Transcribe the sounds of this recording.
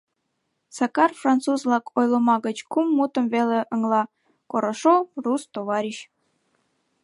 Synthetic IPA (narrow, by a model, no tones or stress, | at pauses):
sɑkɑrfrɑnt̪t͡suzlɑkʰojləmɑɣət͡ɕkumːut̪əmveleʔəŋlɑ | koɾoʃorust̪oβɑɾʲiɕ